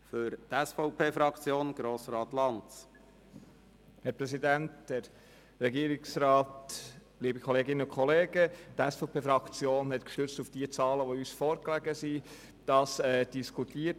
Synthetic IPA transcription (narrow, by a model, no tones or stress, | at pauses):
fʏɾt̪ɛsfɔʊpʰeːfɾɑkt͡sjoːnɡ̥ɾoːsɾɑːt̪lɑntt͡s | hɛɾpɾɛsidæntdɛɾː | ɛɡiːəɾiksɾɑːt | liːbəkʰχɔleːɡɪnəʊkχɔleːɡətɛsfɔpʰeːfɾɑkt͡sjoːnɦɛt̪kʃtøɾt͡sstufd̥iət͡sɑːləʋoyːsfɔːɾklæɡəsi | d̥ɑsɛːd̥iskʰutiət